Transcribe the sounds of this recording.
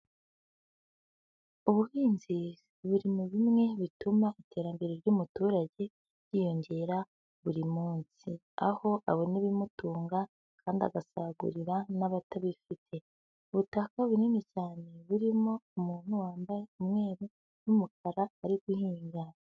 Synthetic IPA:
uβuhiːnzi | βuɾimuβimŋe̞βitumaite̞ːɾambe̞ɾeɾɟumutuɾaɟe̞ | ɟiːjo̞ɲɟe̞ɾa | βuɾimuːnsi | a̰ho̞ʔaβo̞neβimutuːŋɡa | kʰaːndia̰ɡasaɡṵɾiɾanaβataβifitʰe̞ | uβutakaβuninicaːne̞βuɾimo̞umuːn̥huwaːmbajeumŋe̞ːɾo | numukaɾaːɾiɡuhiːŋɡa

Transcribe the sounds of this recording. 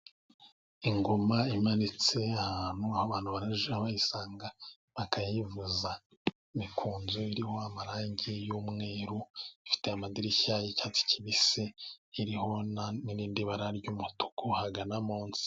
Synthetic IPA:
iŋɡomaimanit͡se̞ahaːn̥huahoβaːn̥huβaɾaʒaβajisaːŋɡa | βakajivuza | imikʰuːnzoiɾiho̞amaɾaːɲɟijuːmŋe̞ːɾuifi̥te̞amadiɾiçajecaːt͡si̥ciβiseiɾiho̞naniɾiːndiβaɾaɾɟuːmutu̥kʰohaɡanamoːnsi̥

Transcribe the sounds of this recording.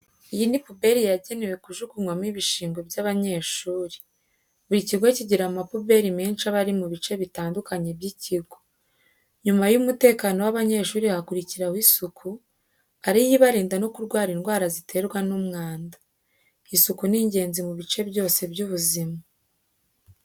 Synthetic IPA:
ijinipube̞ɾijaɟe̞newe̞kuʒukuŋwamiːβiʃiːŋɡo̞bjaβaɲe̞ʃuːɾi | uɾiciɾɡwaciɟiɾamapube̞ɾimeːnʃaβaɾimuβit͡ʃe̞βitaːndukaɲe̞bɟiciɡo̥ | ɲumajumute̞ːkaːnowaβaɲe̞ʃuːɾihakuɾiciɾawisukʰu | aɾijiβaɾiːndano̞kuɾɡwaːɾinɡwaːɾazitʰe̞ɾɡwanumŋaːnda | isukuniːɲɟe̞ːnzimuβit͡ʃe̞bjo̞ːse̞bɟuːβuzima

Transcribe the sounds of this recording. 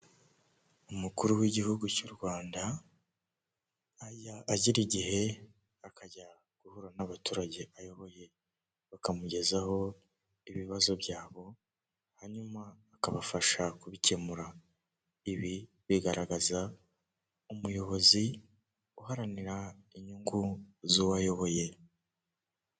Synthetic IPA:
umukuɾuwiɟihuɡucuɾɡwaːnda | jaːɟiɾiɟihe̞ | akaɟa | ɡ̥uhuɾanaβatuːɾaɟe̞ʔajo̞βo̞je̞ | βakamuɟe̞zaho̞ | iβiβazo̞bjaːβo̞ | haɲumaːkaβafaʃakuβice̞muɾa | iβi | βiɡaɾaɡaza | umujo̞βo̞zi | uɦaɾaniɾaiɲuŋɡuzuwajo̞βo̞je̞

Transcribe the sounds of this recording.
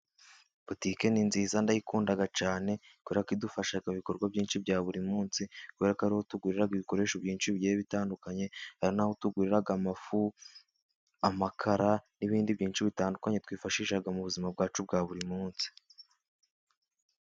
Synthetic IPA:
potike̞ninziːzandajikuːndaɡat͡ʃaːne̞ | kuweɾakidufaʃaɡaβikoɾɡwabɟiːnʃibjɟaːβuɾimuːnsikuβeɾakaɾiho̞tuɡiːɾiɾaɡiβiko̞ɾe̞ːʃobjiːnt͡ʃiβɟeeβitaːndukaɲe̞haɾinahotuɡwiːɾiɾaɡamafu | amakʰaɾaniβiːndibɟiːnt͡ʃiβitaːndukaɲe̞twiːfaʃiːʃaɡamuβuzimab̚ɡaːt͡ʃub̚ɡaːβuɾimuːnsi̥

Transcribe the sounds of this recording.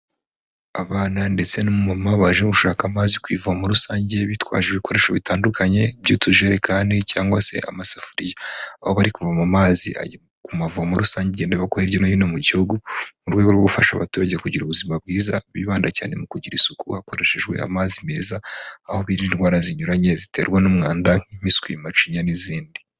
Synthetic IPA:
aβaːnande̞t͡se̞nomumamaβaʒeβuʃaːkamaːzikwiːvuhamuɾusaːɲɟe̞βitwa̰ːʒeβiko̞ɾe̞ʃoβitaːndukʰaɲe̞bɟuːtuʒeɾekʰaːndicaːŋɡwase̞̰ʔa̰masafuɾijaaho̞βaɾikuvamamaːzḭʔa̰ | kumavuamuɾusaːɲɟendeβakoɾeɾjonoβinomuɟihuɡumuɾɡweɡo̞ɾwufaʃa̰βa̰tuːɾaɟekuɟiɾuβuzimab̚ɡiːzaβiβaːndaca̰ːne̞mukuɟiɾisukuhako̞ɾe̞ʃe̞ʒɡwe̞̰a̰maːzime̞̰ːzaːhoβiɾinwaːɾaziɲuɾaɲe̞zite̞ːɾɡwanumŋaːndaimiskwimat͡ʃiɲaniziːndi

